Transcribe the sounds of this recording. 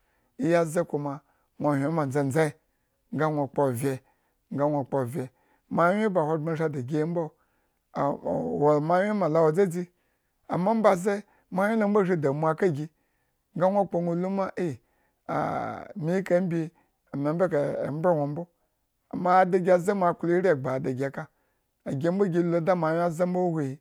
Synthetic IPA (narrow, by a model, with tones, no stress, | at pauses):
i˦ja˦ze˦ku˨ma˨ | nʷo˨hʲʷe˨˦ma˨n˨d͡za˦˨n˨d͡za˦i˦ | ŋ̩˦ɡa˦ŋʷo˨k͡po˨vʲe˨ | ŋ˦ɡa˦nʷo˨k͡po˨vʲe˨ | ma˨˦e˦ba˨ho˨ɡ͡ba˦ʃa˦da˨ɡʲi˦m˦bo˦˨ | wo˨ma˦wʲe˦ma˨la˨wo˨d͡za˦d͡zi˦ | a̰˨ma˦m̩˦ba˨ze˦ | ma˨˦e˦lo˦m̩˦bo˦˨ʒi˦da˨mʷ˨a˨ka˦ɡʲi˧ | ŋ˦ɡa˦nʷo˦˨k͡po˧nʷo˨lu˦ma˦ʔe˦˨ | a̰˨mi˦ka˦m˦bʲi˧˦ | a˨ma˨m̩˦be˦ka̰˨m̩˦bɾe˦ŋʷo˨m̩˦bo˦ | a̰˨ma˦˨da˨ɡʲa˨za˦ma˨klo˦ɾʲa˨ɡ͡ba˨da˨ɡʲa˨ka˨ | a˨ɡʲe˧˦m̩˦bo˦ɡʲi˧lo˨˦da˦ma˨˦jʲa˦za˦m̩˦bo˦hʷo˨ji˨